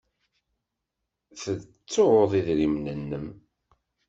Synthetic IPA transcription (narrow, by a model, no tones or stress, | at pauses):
θə | t͡sːoɾoðˤiðɾimnənːəm